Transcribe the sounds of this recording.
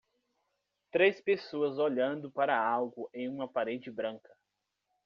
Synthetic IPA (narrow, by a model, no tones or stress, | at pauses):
t̪ɾespesoɐzoʎɐ̃nd̪ʊpaɾɐawɡʊʔẽj̃ũmɐpaɾẽnt͡ʃɪbɾɐ̃ŋkɐ